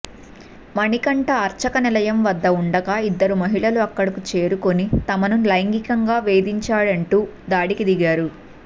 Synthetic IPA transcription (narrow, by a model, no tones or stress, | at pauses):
mɐɳikɐɳʈɐːɾt͡ʃɐkɐnilɐjɐmʋɐd̪ːɐuɳɖɐɡaid̪ːɐɾumɐɦiɭɐluɐkːɐɽɐkut͡ʃe̞ːɾuko̞nit̪ɐmɐnulɐjɐŋɡikɐŋɡaːʋe̞ːd̪iɲt͡ʃaːɭɐɳʈuːd̪aːɽikid̪iɡaːɾu